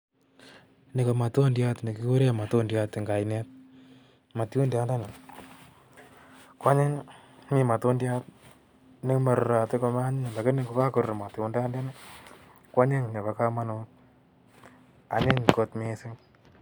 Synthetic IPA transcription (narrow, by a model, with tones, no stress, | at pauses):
nɪ˨ko˨ma˨to˦ndja˦tmi˨ki˦ku˦ɾe˦ma˨to˦ndja˦tɪ˨ŋɡa˨jne˦t̚ | ma˨tjo˦ndja˦nda˦nɪ˨ | ka˦ɲe˦nmi˨ma˨to˦ndja˦t | nɪ˦ma˨ɾɾa˨tɪ˦ko˧ma˦ɲɪ˦ɲ˨la˨kɪ˦ni˦ko˨˦ka˦ku˨ɾma˨to˨nda˦nda˦nɪ˦ | ka˦ɲe˦ŋne˨βa˨˦ka˦ma˦no˦ | a˨ɲe˦ɲko˧tme˦sɪ˦ŋ